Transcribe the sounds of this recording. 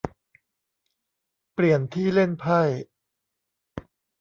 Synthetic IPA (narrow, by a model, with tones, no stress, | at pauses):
pli˨˩ənt̪ʰiː˥˩le˥˩npʰa˥˩j